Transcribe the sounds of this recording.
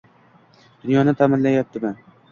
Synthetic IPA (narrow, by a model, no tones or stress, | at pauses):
d̪̥ʊnjɒnɪt̪ʰamɪnlajap̚t̪ʰɪman